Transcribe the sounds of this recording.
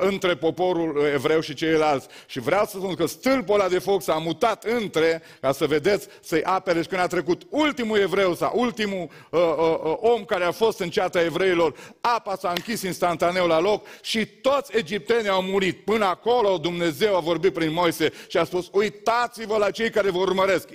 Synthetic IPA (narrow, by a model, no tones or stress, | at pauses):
ɨnt̪ɾe̞po̞po̞ɾule̞vɾe̞wʃit͡ʃe̞jlalt̪sʲʃivɾeawsəspunkəst̪ɨlpolad̪e̞fo̞ksamut̪at̪ɨnt̪ɾe̞ | kasəve̞d̪e̞t̪sʲ | səjʔapeɾeʃkɨnd̪at̪ɾe̞kut̪ult̪imue̞vɾe̞wsa̰ʔult̪imu | əo̞mkaɾeafo̞st̪ɨnt͡ʃeat̪ae̞vɾe̞ilo̞rapasaɨŋkʲisd̪inst̪ant̪ane̞wlalo̞kʃit̪o̞t̪sʲe̞d͡ʒip̚t̪e̞niawmuɾit̪̚pɨnəako̞lo̞d̪umne̞ze̞wavo̞rbit̪̚pɾinmo̞jse̞ʃiaspusujt̪at̪sivəlat͡ʃe̞jkaɾe̞voɾurməɾe̞sk